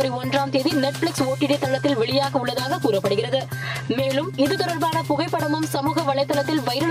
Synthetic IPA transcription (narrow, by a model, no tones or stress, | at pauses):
ɐɾiɔndraːmt̪eːðinɛʈfɭɪksoːʈːɪʈet̪ːɐɭːɐt̪ːɪlʋɛɭɪjaːɣɐʊɭːɐðaːɣɐkuːrɐpːɐɽɯɣɪrɐðɯ | meːɭɯmɪðɯt̪ɯɾɐlbaːnɐpʊɣɐɪpːɐɽɐmɯmsɐmuːɣɐʋɐɭɐɪt̪ːɐlɐt̪ːɪlʋɐɪɾɐ